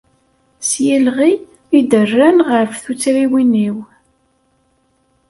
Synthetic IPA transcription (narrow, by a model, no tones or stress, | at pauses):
sjælʁi | id̪ərːænʁəɾfθut͡sɾiwiniw